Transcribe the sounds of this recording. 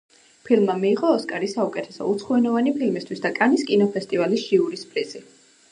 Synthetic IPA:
pʰilmːamiːʁɔːskʼaɾisaukʼɛt̪ʰɛsɔ̰ut̪sʰχuɛnɔvanipʰilmist̪ʰwisd̪akʼaniskʼinɔpʰɛst̪ʼivalisʒiuɾispʼɾizi

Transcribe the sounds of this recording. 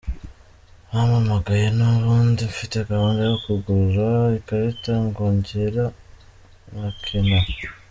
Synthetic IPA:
βamamaɡajenoɾuːndiɱfitekaβaːndejokuɡuɾaikaɾitaŋɡoːɲɟeɾa | nakʰina

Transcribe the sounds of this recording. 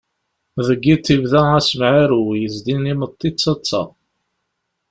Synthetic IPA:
ðəɡːit̪ːivðææsəmʕaɾujəzd̪inimət̪ˤːit͡sːɑt͡sːɑ̰

